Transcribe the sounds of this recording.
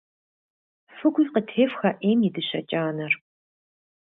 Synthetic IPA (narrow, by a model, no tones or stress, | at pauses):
fɨɡʷʊjqətʰeːfxɐʔeːmjɪdɨɕɐ̰t͡ʃʼaːnɐr